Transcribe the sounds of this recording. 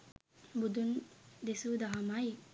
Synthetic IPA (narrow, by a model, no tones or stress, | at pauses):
bud̪und̪esud̪aɦɐmai